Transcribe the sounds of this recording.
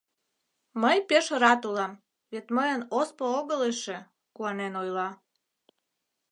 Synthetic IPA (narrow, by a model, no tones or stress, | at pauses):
məjpeʃəɾɑt̪ulɑm | βet̪məjənospooɣəleʃe | kuɑnenojlɑ